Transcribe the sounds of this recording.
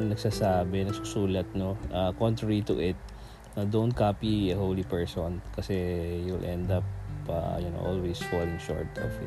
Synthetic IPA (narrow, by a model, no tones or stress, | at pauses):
nɐɡsaːsaːbɛnɐɡsʊsuːlɐt̪̚noʔɐkõnt̪ɹɐɹit̪ʊ̰ʔɪt̪̚ | nɐd̪ownt̪̚kapiɐhowlipɛɹsɔnkɐsɛjuɪlʔɛnd̪ɐpɐ̰jʊno̰ʔolwejsfɔlɪ̃ŋʃɔ̰ɹt̪ɔ̰vɪ